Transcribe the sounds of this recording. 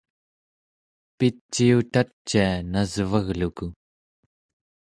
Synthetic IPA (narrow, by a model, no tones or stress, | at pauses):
pit͡ʃːiut̪at͡ʃːianazvaɣluku